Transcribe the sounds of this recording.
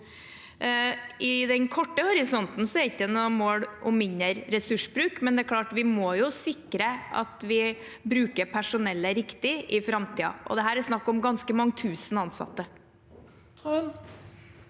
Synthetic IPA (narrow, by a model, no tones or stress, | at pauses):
ɪd̪ɛnkʰɔʈːəhɔɾɪsɔnt̪n̩sɔɛɾɪkːd̪ənɔmoːɽʔɔmːɪnːəɾɾɛsʉʂbɾʉːkmɛnd̪ɛæɾkʰlɑːʈʋɪmɔjʊsɪkːɾəʔɑ̰t̪ʋɪ | bɾʉːkəɾpʰæʂʊnɛlːəɾɪkt̪ɪɪfɾɑmt̪ʰiːɑ̰ʔɔ̰d̪ɛɦæːɾɛsnɑkːɔmɡɑnskəmɑŋːt̪ʰʉːsnɑnsɑ̰t̪ːə